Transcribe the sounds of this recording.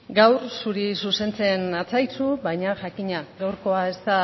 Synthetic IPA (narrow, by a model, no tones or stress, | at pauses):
ɡawrsuɾisuse̞nt͡se̞nat͡sajt͡suβajɲaʝakiɲaɡawɾko̞ae̞st̪a